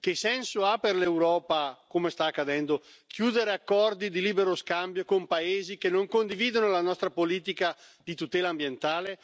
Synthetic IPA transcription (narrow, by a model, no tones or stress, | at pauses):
k̟esɛnsoaperlewɾɔːpakomest̪aːkːad̪ɛnd̪o | kjuːd̪eɾeakːɔrd̪id̪iliːbeɾoskambjokompaeːzikenːoŋkond̪iviːd̪onolanɔst̪ɾapoliːt̪̬ikad̪it̪ut̪ɛːlaːmbjent̪aːle